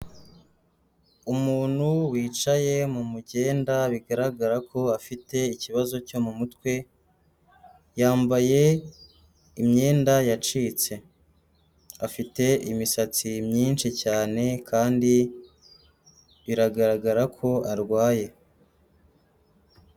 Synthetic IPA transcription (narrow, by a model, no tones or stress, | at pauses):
umuːn̥huwiːt͡ʃaje̞mumuɟe̞ːndaβiɡaɾaɡaɾakʰo̞afite̞iciβazo̞co̞mumutwe̞ | jaːmbaje̞ | imɲe̞ːndajat͡ʃiːt͡se̞ | afite̞ʔimisat͡simɲiːnt͡ʃicaːne̞kʰaːndi | βiɾaɡaɾaɡaɾakʰo̞aɾɡwaːje̞